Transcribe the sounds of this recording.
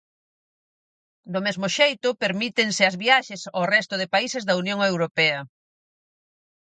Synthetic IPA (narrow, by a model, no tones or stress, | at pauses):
d̪ʊmezmʊʃejt̪ʊpeɾmit̪eŋsɪɐzβiaʃesarɛst̪ʊðɪpaisezðɐunjõŋewɾopɛɐ